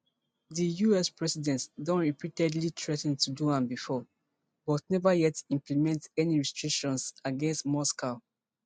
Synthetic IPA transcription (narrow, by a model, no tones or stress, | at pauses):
ðijuɛspɹɛsidɛ̃ntdɔ̃nɹipitɛdlitʰɹɛtɛ̃ntʰuduãnbifɔ | bɔtnɛvajɛtĩmplimɛ̃ntɛniɹistɹikʃɔ̃nsaɡɛ̃nstmɔskaʊ